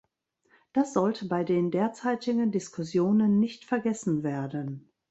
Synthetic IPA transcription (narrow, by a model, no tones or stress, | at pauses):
d̥asz̥ɔltʰəbaɪdeːndeːɐt͡saɪtɪɡəndɪskʰʊsjoːnənːɪçtfɛɐɡɛsn̩veːɐdən